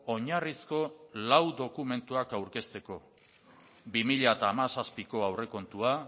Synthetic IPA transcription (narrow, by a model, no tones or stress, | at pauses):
oɲarisko̞lawd̪o̞kume̞nt̪uakawɾke̞st̪e̞ko̞ | bimiʎaet̪aːmasaspiko̞awre̞ko̞nt̪ua